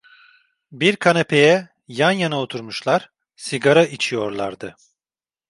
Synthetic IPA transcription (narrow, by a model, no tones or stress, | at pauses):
biɾkʰanapʰe̞jɛ | janjanaot̪ʰuɾmuʃlˠaɾ̥ | siɡaɾaʔit͡ʃʰijo̞ɾlˠaɾd̪ɯ